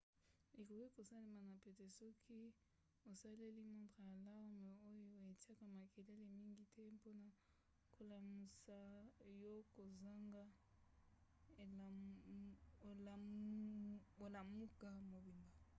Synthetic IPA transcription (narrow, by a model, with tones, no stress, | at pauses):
e˨ko˨ki˦ko˨sa˦le˦ma˨na˨pe˨te˨sɔ˦kʰi˦ | o˨sa˦le˦li˦mo˦nta˨ja˨la˦me˨o˦jo˦e˨ti˦a˦ka˨ma˨ke˨le˦le˨mi˦ŋɡi˦tʰɛ˦po˦na˨ | ko˨la˨mu˨sa˨jo˦ko˨za˦ŋɡa˦˨ | o˨la˨mu˦ka˦mo˨bi˨mba˨